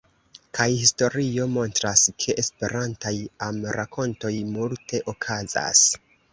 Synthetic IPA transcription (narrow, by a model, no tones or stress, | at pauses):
kʰajhisto̞ɾio̞mo̞ntɾaskʰe̞ʔespe̞ɾantajamɾakʰo̞nto̞jmultʰe̞ʔo̞kʰaza̰s